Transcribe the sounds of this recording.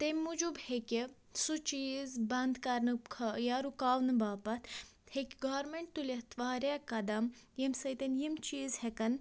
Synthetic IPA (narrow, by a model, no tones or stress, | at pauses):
t̪emʲːud͡ʒubhekʲe | sut͡ʃiːzbɐnd̪kɐɾnɨkʰɐjaɾukaːwnɨbaːpɐt̪ʰ | hekʲɡaːɾmeɳʈ̚t̪ulʲɐht̪ʋaːɾʲjaːkɐd̪ɐmjimsɐjt̪ɐnjimt͡ʃiːzhekɐn